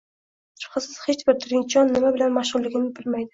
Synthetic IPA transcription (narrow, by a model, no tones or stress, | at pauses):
sʰɪ̥pqɨsɪz̥het͡ʃbɪɾt̪ʰɪɾɪnt͡ʃʰɒnːɪmabɪlanmaʃʁʊlːɪɡʲɪmɪzbɪlmajd̪ɪ